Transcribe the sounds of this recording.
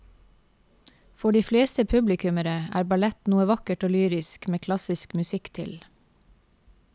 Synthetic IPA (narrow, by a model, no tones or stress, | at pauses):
fɔɖiːfleːst̪əpʰʉblɪkʉməɾəæ̰ːɾbɑɭɛt̪nuːəʋɑkəʈoːlyːɾɪskmeːkʰlɑsɪskmʉsɪkt̪ʰɪ̰l